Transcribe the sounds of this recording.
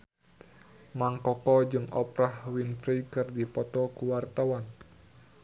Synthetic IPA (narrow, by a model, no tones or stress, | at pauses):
maŋkɔkɔd͡ʒɨŋɔ̰pɾahwinfɾikɨrdipɔt̪ɔkuwart̪awan